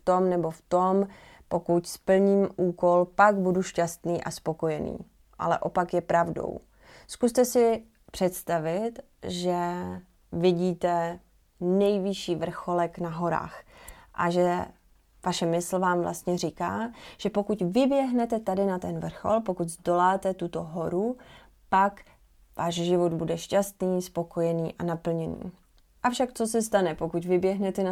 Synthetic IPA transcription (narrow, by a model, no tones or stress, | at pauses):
ft̪o̞mnɛbo̞ft̪o̞m | po̞kucspl̩ɲiːmʔuːko̞lpaɡbuduʃcast̪niːʔaspo̞ko̞jɛnḭː | ʔa̰lɛ̰ʔopakjɛpɾʔavdo̰w | skust̪ɛsɪ | pr̝̥ɛt̪st̪avɪt̪ | ʒɛ | vɪɟiːt̪ɛ | nɛjvɪʃiːvr̩xo̞lɛknaɦo̞ɾa̰ːxʔa̰ʒɛ | vaʃɛmɪsl̩vaːmvlʔa̰st̪ɲɛrikaːʒ̥ɛpo̞kucvɪbjɛɦnɛt̪ɛt̪adɪnat̪ɛnvr̩xo̰lpokuɟzdo̞laːt̪ɛt̪ut̪o̞ɦo̞ɾu | pak | vaːʃʒɪvo̞d̪budɛʃcast̪niːspo̞ko̞jɛniːʔanapl̩ɲɛnḭː | ʔafʃakt̪t͡so̞sɛst̪anɛpokucvɪbjɛɦnɛt̪ɛn